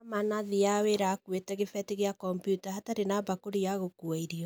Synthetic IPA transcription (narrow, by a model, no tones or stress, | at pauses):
manaðijaweɾakuetɛɣefɛteɣeakɔmpjutahataɾenabakoɾijaɣokuaiɾiɔ